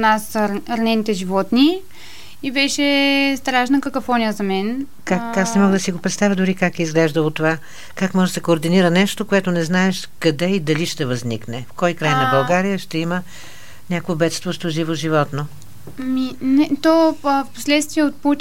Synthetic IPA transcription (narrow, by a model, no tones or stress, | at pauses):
nasɾɐnɛnit̪ɛʒivɔt̪ni | ibɛʃɛst̪ɾaʃnəkəkofɔnʲiəzɐmɛn | kakːasnɛmɔɡd̪ɐsiɡopɾɛt̪t̪avʲjəd̪ʊɾikakɛizɡlɛʒd̪əlˠot̪ova | kakmɔʒsɛkoːɾd̪iniɾənɛʃt̪okoɛt̪onɛznaɛʃ | kɐd̪ɛid̪ɐliʃt̪ɛvɐzniknɛfkɔjkɾajnɐbɐlˠɡaɾijəʃt̪ɛimə | nʲakvobɛt̪st̪voʃt̪voʒivoʒivɔt̪no | minɛt̪ɔfpo̥slɛt̪st̪viɛot̪̚put̪ʲ